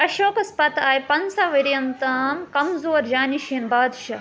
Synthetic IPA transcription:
ɐʃoːkɐspɐt̪aːjpɐnsɐʋiɾjɐnt̪aːmkɐmzoːɾd͡ʒaːniʃiːnbaːd̪ʃɐ

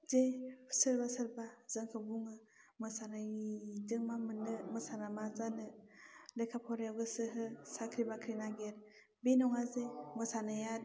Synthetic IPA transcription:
zepʰsɯɾbasɯɾbazɯŋkʰabuŋɯ | mɯsanajidɯŋmamɯnɯmɯsanamazanɯlekʰapʰɔɾawɡɯsɯɦɯsakʰɾibakʰɾinaɡeɾ | binɔŋazemɯsanajat̚

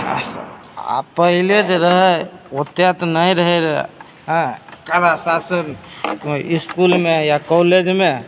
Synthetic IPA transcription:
a̰pəɦiled͡ʒeɾəɦɛot̪jat̪nəiɾəɦɛɾəɛ̰ | ɦkalasasən | iskulmejakɔled͡ʒme

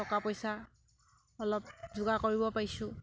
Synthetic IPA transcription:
ɔkapɔjsa | ɔlɔp̚zʊɡakoɹibɔpaɹisʊ̃

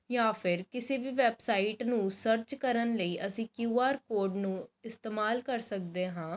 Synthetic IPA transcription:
jãːpʰɪɾkɪseːʋiːʋɛːbsaːiʈnũːsəɾt͡ʃkəɾənləiːʔəsĩːkjuːaːɾkoːɾɖnũːɪst̪eːmaːlkəɾsək̚d̪eːɦãː

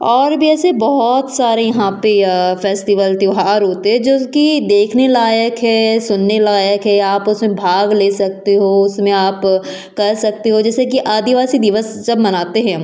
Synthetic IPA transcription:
ɔːɾbʱiɛːsebɔɦɔt̪saːɾejɐɦãpefɛːsʈɪʋəlt̪joɦaːɾɦoːt̪eɦɛ̃d͡ʒoːkid̪eːkʰnelaːjəkɦɛ̃ːsʊnːelajəkɦɛ̃aːpʊsmẽbʱaːɡleːsɐk̚t̪eɦoʊsmẽaːp | kɐɾsɐk̚t̪eɦod͡ʒɛːsek̬iʔaːd̪iʋaːsid̪ɪʋəsd͡ʒɐbmɐnaːt̪eɦɛ̃

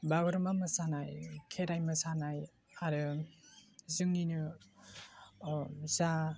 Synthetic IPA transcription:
baɡɯɾɯmamɯsanajkʰeɾajmɯsanaj | aɾɯ | zɯŋninɯ | za

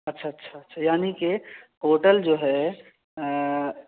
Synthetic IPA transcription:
ətːʃʰaətːʃʰaətːʃʰajaːnikekoːʈəld͡ʒoːɦɛ

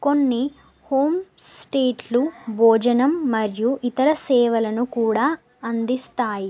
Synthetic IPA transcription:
ko̞nːi | ho̞ːmsʈeːʈlubʱɔːd͡ʒɐnɐmːɐɾjuʔit̪ɐɾɐsɛːʋɐlɐnukuːɽaː | ɐnd̪ist̪aːji

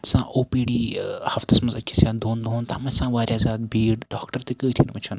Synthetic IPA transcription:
sã̰ːʔoːpiːɖiːhɐft̪ɐsmɐnzɐkʲʰːisjaːd̪oːnd̪ɦont̪a̰ːmɐsãːʋaːɾʲjaːzaːd̪̚biːɽɖaːkʈəɾt̪ekəːt̪ʰinmɐt͡ʃʰɐn

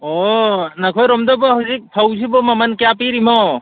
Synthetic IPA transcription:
onɐkʰɔjɾɔmd̪ɔbɔɦɯzik̚pʰawzʰibɔmɐmɐnkjapiɾimɔ

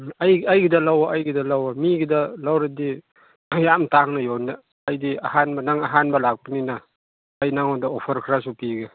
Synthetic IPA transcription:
ajɐjɡidɐlawɐʔːjɡidɐlawɐmiɡidɐlawɾɐdi | jamtaŋnɐjonɐː | jdiɐ̰hanbɐnaŋɐɦanbɐlak̚bɐninɐː | jnaŋodɐopʰɐɾkʰɾasupiɡɐ

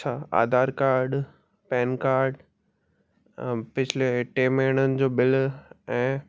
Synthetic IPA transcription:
t͡ɕʰaːa̰ːd̪aːɾkaːɾɖ | pɛ̃ːnkaːɾɖ | pɪt͡ɕʰɪleʈeːmeɦɪɽ̃ənɪ̆d͡ʑoːbɪlɛ̃ː

